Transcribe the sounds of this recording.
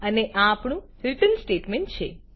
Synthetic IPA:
əneʔãːpɳũhilʈənsʈeʈmẽɳʈt͡ʃʰe

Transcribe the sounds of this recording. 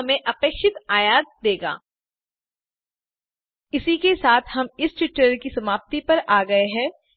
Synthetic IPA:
ɐmẽʔɐpeːkʃɪt̪aːjaːd̪̚d̪eːɡa̰ː | ɪsikesaːt̪ʰhɐmɪst͡ʃɪʈəɾkisɐmaːp̚t̪ipɐɾaːɡɐeɦɛ̃ː

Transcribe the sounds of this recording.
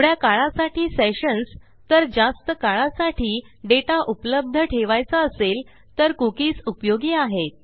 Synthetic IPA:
ɽjakaɭãsaʈʰiːseɕəns | t̪əɾd͡zast̪əkaɭasaʈʰiː | ɖeʈaʔupləb̚d̪ʱəʈʰeʋajt͡saːsel | t̪əɾkukiːt͡supjoɡiːaɦet̪̚

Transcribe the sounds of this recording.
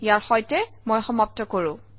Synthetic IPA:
jaɹxɔjtɛ | mojxɔmap̚tɔkoɹʊ̃

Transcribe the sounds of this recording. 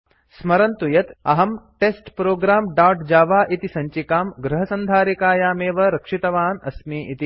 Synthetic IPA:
smɐɾɐnt̪ujɐt̪ɐ̰ɦɐmʈeːsʈpɾoːɡɾaːmɖaːʈd͡ʒaːʋaːʔit̪isɐɲt͡ʃikaːmɡɾɐɦɐsɐnd̪ʱaːɾikaːjaːmeːʋɐɾɐkʂit̪ɐʋaːnɐsmiːʔit̪i

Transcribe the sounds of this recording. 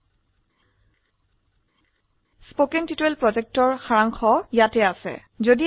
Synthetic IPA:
spokɛntitelpɹɔzɛk̚tɔɹxaɹaŋxʰɔjatɛasɛ̰ | zodi

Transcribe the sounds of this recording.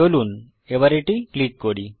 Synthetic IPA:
oluːn | eʋaɾeʈikliʈ̚koɽi

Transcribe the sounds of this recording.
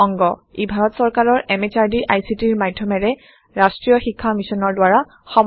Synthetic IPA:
ɔŋɡɔibʱaɹɔtsɔɹkaɹɔɹʔɛmet͡ʃaɹdiʔajsitiɹmadʱjɔmɛɹɛ | ɹastɹijɔxikʰːamisɔnɔɹdwaɹa | xɔm

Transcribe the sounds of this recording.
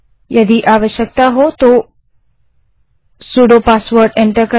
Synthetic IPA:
jɐd̪iʔaːʋəʃjək̚t̪aɦot̪o | suɽopaːsʋəɾɖẽɳʈəɾkə

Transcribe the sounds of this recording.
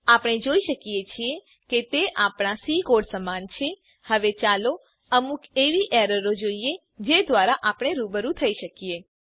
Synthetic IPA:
apəɽ̃ed͡ʒoiʃəkijet͡ʃʰie | ket̪eʔapɽ̃asikoɖsəmant͡ʃʰe | həʋet͡ʃalo | əmukʰeʋiʔɛɾəɾod͡ʒoije | d͡ʒed̪ʋaɾaʔapɽ̃eɾubəɾũt̪ʰəiʃəkije

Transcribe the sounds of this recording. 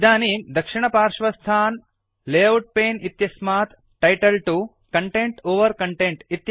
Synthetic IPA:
d̪aːniːmd̪ɐkʂɪɳɐpaːɾʂʋɐst̪ʰaːn | leːɐwʈ̚peːnit̪jɐsmaːt̪ | ʈɐjʈɐlʈu | kɐɳʈeɳʈoːʋɐɾkɐɳʈeɳʈit̪j

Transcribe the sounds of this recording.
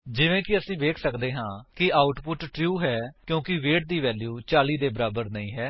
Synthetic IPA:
d͡ʒɪʋẽːkɪəsĩːʋeːkʰsəkd̪eːɦãːkɪaːʊʈpʊʈʈɾjuːɦɛːkjõːkɪʋeːʈ̚d̪iːʋɛːljuːt͡ʃaːliːd̪eːbəɾaːbəɾnəĩːɦɛː

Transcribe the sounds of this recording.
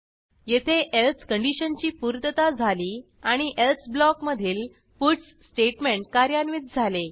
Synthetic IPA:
jet̪ʰeʔelskəɳɖiɕənt͡ɕiːpuɾt̪ət̪ad͡zʱaliː | aɽ̃iʔelsblɔkməd̪ʱiːl | puʈsːʈeʈmeɳʈ̚kaɾjanʋiːt̪̚d͡zʱale

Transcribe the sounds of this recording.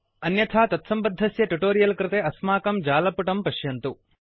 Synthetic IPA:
ɐnjɐt̪ʰaːt̪ɐt̪sɐmbɐd̪ʱːɐsjɐʈuʈoːɾijɐlkɾɪt̪eɐsmaːkɐmd͡ʒaːlɐpuʈɐmpɐʃjɐnt̪u

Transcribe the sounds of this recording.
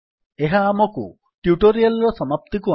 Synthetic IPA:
eɦaːmɔkṵ | ʈjuʈoɾialɔɹɔsɔmap̚t̪iku

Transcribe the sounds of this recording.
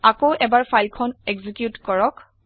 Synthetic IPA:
akoʔɛbaɹfʰajlkʰɔnɛɡzikjutkɔɹɔk

